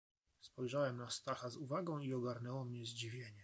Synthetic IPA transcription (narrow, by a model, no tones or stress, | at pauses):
spɔjʐawɛmnast̪axazuvaɡɔ̃w̃iɔɡaɾnɛwɔmɲɛzd͡ʑivʲjeɲɛ